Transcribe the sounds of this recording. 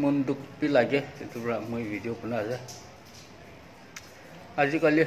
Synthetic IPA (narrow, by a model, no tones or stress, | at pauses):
mundukpilaɡɛetupɹamujbʱidijopunaaza | azikali